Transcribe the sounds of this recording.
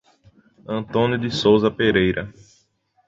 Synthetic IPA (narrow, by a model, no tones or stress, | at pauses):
ɐ̃nt̪õnjʊd̪ɪsowzɐpeɾejɾɐ